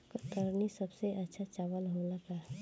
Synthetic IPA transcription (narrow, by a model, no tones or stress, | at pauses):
kət̪əɾnisəbseʔətːʃʰat͡ʃaːʋəlɦolaka